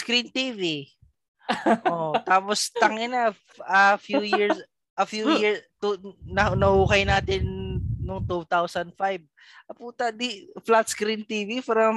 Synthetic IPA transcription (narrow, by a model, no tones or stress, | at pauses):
skɾint̪ivi | ʔʔot̪aːpost̪ɐŋɪnɐ | ɐfjuːjiɹs | ʔɐfjujiɹst̪unɐnɐhuːkɐjnaːt̪ɪnːʊŋt̪ut̪awsɐnd̪fajb̚ | ʔɐpuːt̪ɐd̪iflat̪skɾint̪ivifɾɐm